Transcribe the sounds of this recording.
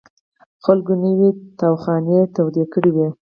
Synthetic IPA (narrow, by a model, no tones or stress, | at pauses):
xalɡonəwit̪awxɑnet̪awd̪ekəɽiwi